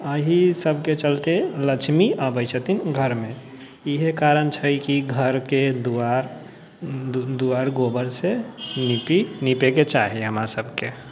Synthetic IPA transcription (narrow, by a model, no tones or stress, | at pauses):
əɦisəbʱket͡ʃəlt̪eləkt͡ʃʰmiabəjt͡ʃʰət̪inɡʱəɾmẽ | iɦekaɾənt͡ʃʰəjkiɡʱəɾked̪uaɾ | d̪uaɾɡobəɾsenipinipeket͡ʃaɦiɦəmɾasəbʱke